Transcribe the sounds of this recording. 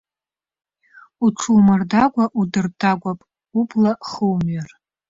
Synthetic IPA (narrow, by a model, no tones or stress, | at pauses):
uʈ͡ʂʰulmardaɡʷaʔudɨrtʰʼaɡʷapʼ | ublaχəwmɥar